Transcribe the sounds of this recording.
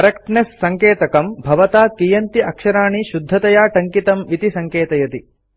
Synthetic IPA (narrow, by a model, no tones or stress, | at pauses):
kɐɾekʈnesːɐŋkeːt̪ɐkɐmbʱɐʋɐt̪aːkijɐnt̪iʔɐkʃɐɾaːɳiʃud̪ʱːɐt̪ɐjaːʈɐŋkit̪ɐmʋit̪isɐŋkeːt̪ɐjɐt̪i